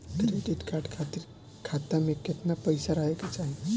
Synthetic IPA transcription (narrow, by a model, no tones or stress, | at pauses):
kɾeɖiʈkaɾɖkʰat̪iɾ | kʰat̪ameket̪napəjsaɾəɦeket͡ʃaɦi